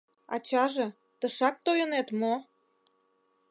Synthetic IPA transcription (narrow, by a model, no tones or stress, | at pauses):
ɑ̰t͡ɕɑʒĕ | t̪əʃɑk̚t̪ojə̆net̪mo